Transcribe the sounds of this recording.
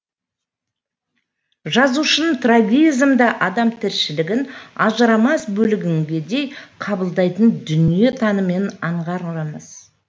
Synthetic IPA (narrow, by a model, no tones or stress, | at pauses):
ʒɑzuʃənt̪raɡʲijzmd̪əʔɑd̪ɑmt̪ʰɪɾʃɪlɪɡʲɪnɑʒəɾɑmɑsbɵlɪɡʲɪŋɡʲe̞d̪e̞jqʰɑbəlˠd̪ɑjt̪ənd̪ʏnije̞t̪ʰɑnəme̞nɑɴʁɑɾəməz̥